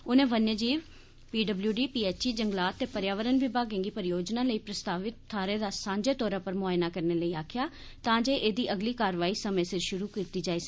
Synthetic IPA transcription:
ʊnẽːʋənjəd͡ʒiːʋ | piːɖəbljuːɖiːpiːɛːt͡ʃiːd͡ʒəŋɡlaːt̪ːeːpəɾjaːʋəɾənʋɪbʱaːɡẽːɡiːpəɾɪjoːd͡ʒnãːləiːpɾəst̪aːʋɪt̪ʰːaːɾeːd̪aːsãːɲd͡ʒeːt̪ɔːɾãːpəɾmʊaːjnaːkəɾneːləiːaːkʰjaː | t̪ãːd͡ʒeːʔeːd̪iːʔəɡliːkaːɾʋaːiːsəmẽːsɪɾʃʊɾuːkit̪iːd͡ʒaːiːs

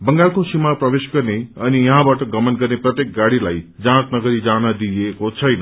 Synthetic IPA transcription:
bəŋɡalkosimapɾəʋeʃɡəɾneənijʌɦãbaʈəɡəmənɡəɾnepɾət̪jek̚ɡaɽilajd͡zãt̪nəɡəɾid͡ʒaɽ̃ad̪ijekot͡ʃʰʌjnə

